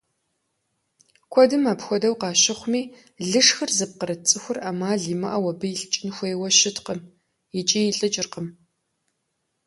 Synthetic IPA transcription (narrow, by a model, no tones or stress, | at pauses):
kʷʰɔdɨmaːpxʷɔdɐwqɑːɕɪχʷmiː | ɮɨʂxɨrzɨp̚qəɾɐt͡sʼɨxʷʊraːmaːɮiːmɐʔɐwɐbɨjɪɬt͡ʃʼɪnxʷejwɐʃɪtqəm | jɪt͡ʃʼiːjɪɬʼɨt͡ʃʼɪrqəm